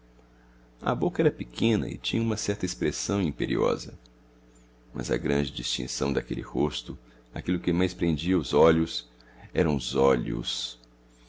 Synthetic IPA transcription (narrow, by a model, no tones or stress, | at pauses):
ɐ̰bokɐɛɾɐpikʰẽnɐ̰ɪ̰t͡ʃĩɲɐũmɐsɛɾt̪ɐespɾesɐ̃w̃ĩpeɾiɔ̰zɐ | mɐ̰zɐ̰ɡɾɐ̃nd͡ʒɪd͡ʒist͡ʃḭ̃sɐ̃w̃d̪akelɪhost̪ʊ | akilʊkɪmajspɾẽnd͡ʒiɐʊzɔʎʊs | ɛɾɐ̃w̃ʊzɔʎʊ̰s